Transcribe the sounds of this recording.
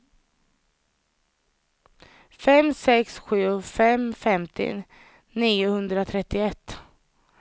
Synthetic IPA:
fɛmsɛksɧʉ̟ːfɛmfɛmt̪ʰɪ̰ | niːʊhɵnd̪ɾat̪ʰɾɛt̪ːɪɛt̪ː

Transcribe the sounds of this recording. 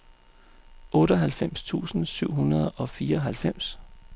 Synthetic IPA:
ɔ̽ːɾ̥ɒɦælfem̰st͡sʰṵːsn̩syʊ̰ɦunɐð̞ˠɒ̽fiːɐɒ̽ɦælfem̰s

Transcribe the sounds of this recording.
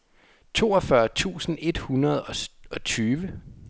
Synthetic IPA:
t͡sʰo̝̰ːɒ̽fɶɐt͡sʰṵːsn̩e̝d̥hunɐð̞ˠɒ̽ɒ̽t͡sʰyːʋə

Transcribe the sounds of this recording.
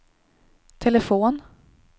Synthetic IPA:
t̪ʰɛlɛfoːn

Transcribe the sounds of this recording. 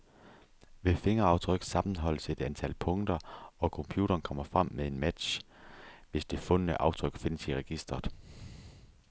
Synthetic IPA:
ʋe̝fe̝ŋɐɑ̈ʊt͡sʰʁœɡ̥sɑ̈mn̩ɦɒ̽l̰əse̝d̥ænt͡sʰælpʰɔ̽ŋd̥ɐɒ̽kʰɒ̽mpʰjṵːɾ̥ɐːnkʰɒ̽m̰ɐfʁam̰meðˠe̝nmæd̥ɕ | ʋe̝sd̥e̝fɔ̽nənəʔɑ̈ʊt͡sʰʁœɡ̥fe̝nəsiʁɛɡ̥isd̥ʁɐð̩ˠ

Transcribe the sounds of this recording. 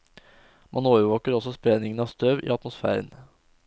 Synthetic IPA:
mʔɑnoːʋəʋoːkəɾɔsɔspɾeːnɪŋənɑːʋst̪ʰøːʋḭːɑt̪mʊsfæ̰ːɾə̰n

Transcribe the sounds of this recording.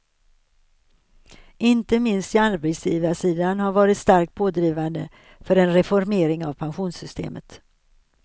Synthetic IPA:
ʔɪnt̪əmɪnst̪ɪalbɛsjiːvasiːd̪anhaɾvɑːɾɪt̪st̪aɾk̚t̪̚pʰoːd̪ɾiːvand̪ə̰ | fœɾɛnɾɛfɔɾmeːɾɪŋavpʰanɧuːnsʏst̪ʰḛːmʔə̰t̪

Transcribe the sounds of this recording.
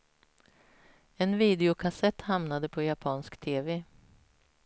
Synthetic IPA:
ɛnviːd̪ɛʊkʰasɛt̪ːhamnad̪əpʰɔjapʰɑːnskt̪ʰeːve

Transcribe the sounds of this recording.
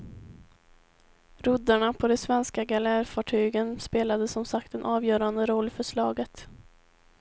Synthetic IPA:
ɾɵd̪aɳapʰɔd̪ɛsvɛnskaɡalæɾfɑːʈʰyːɡənspeːlad̪əsɔmsakt̪ɛnʔɑːvjœːɾand̪əɾɔlːfœʂɭɑːɡət̪

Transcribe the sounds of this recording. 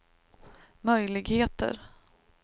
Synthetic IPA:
mœjlɪɡheːt̪ə̰ɾ

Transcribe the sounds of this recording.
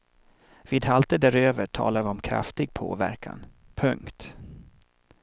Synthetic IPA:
viːd̪ɦalt̪əd̪æɾøːvəʈʰɑ̰ːlaɾvɪɔmkʰɾa̰ft̪ɪɡ̚pʰo̰ːvæ̰ɾkʰa̰n | pʰɵŋkt̪

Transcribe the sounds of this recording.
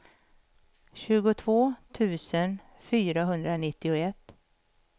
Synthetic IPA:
ɕʉ̟ːɡʊt̪ʰvoːt̪ʰʉ̟ːsən | fyːɾaɦɵnd̪ɾanɪt̪ːɪʊɛt̪ː

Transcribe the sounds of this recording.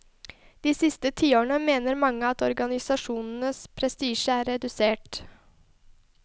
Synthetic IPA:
d̪̥iːsɪst̪ət̪ʰiːoːɳəmeːnəɾmɑŋːəɑt̪ɔɾɡɑnɪsɑʂuːnn̩əspʰɾɛst̪iːʃəæːɾːɛd̪ʉseːʈ

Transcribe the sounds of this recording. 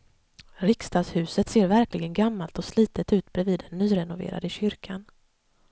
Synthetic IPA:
ɾɪkst̪ɑːshʉ̟ːsət̪seːɾvæɾklɪɡənɡamːalt̪ɔsliːt̪ət̪ʉ̟ːt̪bɾɛviːd̪ːɛnːyːɾɛnʊvḛːɾa̰d̪əɕʏɾkʰan

